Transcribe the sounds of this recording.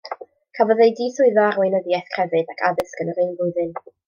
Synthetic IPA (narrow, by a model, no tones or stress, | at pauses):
kʰəvɔðejdiːθʊɨðɔarwejnəðjɛθkʰr̥ɛvɨðakʰaðɪskənəɾɪnvʊɨðɨn